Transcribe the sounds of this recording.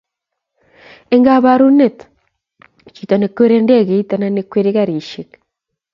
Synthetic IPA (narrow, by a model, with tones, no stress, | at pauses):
e˦ŋɡa˦βa˨ɾu˦ne˦t | t͡ʃi˨to˨neke˦ɾe˦nde˦ɣe˨itananekweɾeɣaɾi˨ʃe˨k